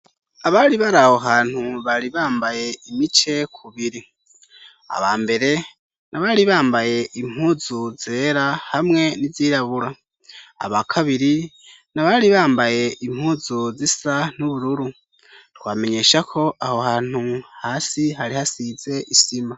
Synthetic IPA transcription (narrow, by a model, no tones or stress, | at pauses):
aβaɾiβaɾaho̞ɦaːn̥huβaɾiβaːmbaje̞imit͡ʃe̞kʰuβiɾi | a̰βaːmbe̞ɾe̞ | nʔaβaɾiβaːmbaje̞ʔim̥huːzuze̞ːɾahamŋe̞niziːɾaβuɾa | a̰βakʰaβiɾi | naβaɾiβaːmbaje̞ʔim̥huːzuzisanuβuɾuɾu | twaːme̞ɲe̞ːʃakʰo̞ʔaho̞haːn̥huhaːsiɦaɾihasiz̥e̞ʔisima